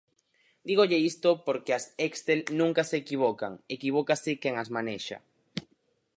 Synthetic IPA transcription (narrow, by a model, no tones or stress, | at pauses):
d̪iɣoʎeist̪opoɾkeasekst̪elnũŋkaseːkiβ̞okaŋekiβokasekeŋazmaneʃa̰